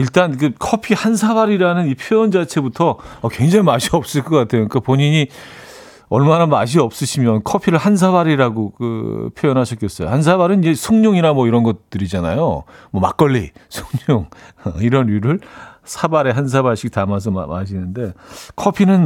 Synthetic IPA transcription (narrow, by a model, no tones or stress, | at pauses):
iɭt͈ank̬ɯkʰʌpʰihansʰaβaɾiɾanɯnipʰjojʌnd͡ʑat͡ɕʰe̞butʰʌʌkwe̞ŋd͡ʑaŋimaɕʰiʌp̚s͈ɯɭk͈ʌk͈atʰe̞joɲkapoɲiɲi | ʌɭmanamaɕ̬ʰiʌp̚s͈ɯɕʰimjʌnkʰʌpʰiɾɯɭhans̬ʰaβaɾiɾaɡokɯ̰pʰjojʌnɦaɕʰʌtk͈ʌs͈ʌjo̰hans̬ʰaβaɾɯnid͡ʑe̞sʰoŋɲoŋiɾamwʌiɾʌnɡʌt̚t͈ːɯɾid͡ʑana̰jomwʌma̰k͈ʌɭːḭsʰoŋɲoŋʌiɾʌnuɾɯɭsʰabaɾe̞ɦans̬ʰabaɭɕʰik̚tamas̬ʰʌ̰maɕ̬ʰinɯnde̞kʰʌpʰinɯn